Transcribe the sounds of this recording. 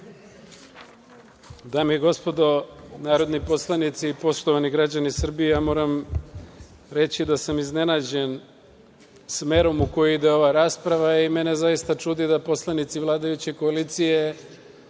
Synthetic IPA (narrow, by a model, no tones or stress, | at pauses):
d̪aːmiiɡo̞spo̞d̪o̞naːɾo̞d̪nipo̞slˠanit̪sipo̞ʃt̪o̞ʋaniɡɾad͡ʑanisr̩bijejaːmo̞ːɾam | ɾe̞t͡ɕid̪asamizne̞naːd͡ʑe̞n | sme̞ɾo̞muko̞juid̪e̞o̞ʋaɾaːspɾaʋaime̞ne̞zaist̪at͡ʃuːd̪id̪apo̞slˠanit̪siʋlˠaːd̪ajut͡ɕe̞ko̞aliːt̪sije̞